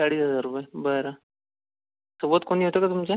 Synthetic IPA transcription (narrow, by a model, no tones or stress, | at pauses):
saɽiːsəzaɾupəebəɾa | səbət̪̚koniːɦot̪ekat̪umt͡ɕe